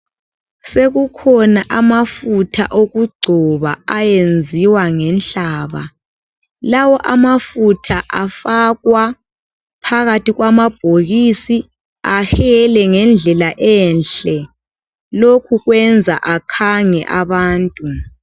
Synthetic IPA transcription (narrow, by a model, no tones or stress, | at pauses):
seɣukʰɔnaʔamafutʰa̰ʔoɣuɡ͡ǀʱɔβaajend͡zʱiwaŋɛnɬaːβa̰ | lawɔʔamafutʰaʔafaɣwa | pʰaɣatiɣwamab̥ʱoɣisi | ahɛlɛŋɛnd͡ɮʱɛlaʔɛnɬɛ | lokʰuɣwɛnd͡zʱaʔakʰaŋɛʔaβaːntʼu